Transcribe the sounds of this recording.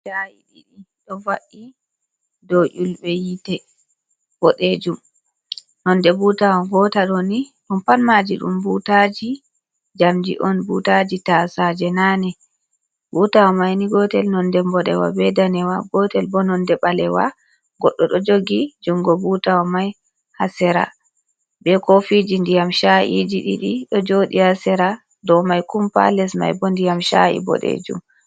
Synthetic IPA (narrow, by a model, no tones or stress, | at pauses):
d͡ʒajḭɗḭɗiɗɔvaʔi | dɔʔulbɛjitɛ | bɔɗed͡ʒum | nɔndɛbutawaɡɔtaɗɔniɗumpanmad͡ʒiɗṵmbutad͡ʒi | d͡ʒamd͡ʒḭʔɔnbutad͡ʒitasad͡ʒɛnanɛ | butawamajniɡɔtɛlnɔndɛmbɔɗɛwa̰bɛdanɛwaɡɔtɛlbɔnɔndɛɓalɛwa̰ | ɡɔɗːɔɗɔd͡ʒoɡid͡ʒuŋɡɔbutawamaj | hasɛɾa̰ | bɛkofid͡ʒindijamʃaʔḭd͡ʒiɗiɗiɗɔd͡ʒoɗihasɛɾa | dɔmajkumpa̰lɛsma̰jbɔndijamʃa̰ḭbɔ̰ɗḛd͡ʒṵm